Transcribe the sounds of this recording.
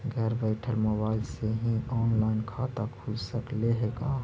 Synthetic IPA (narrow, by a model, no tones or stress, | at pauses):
ɡʱɛːɾbaɪʈʰəlmobaːɪlseɦĩɔːnlaːɪnkʰaːt̪akʰʊd͡ʒsəkleɦeɡaː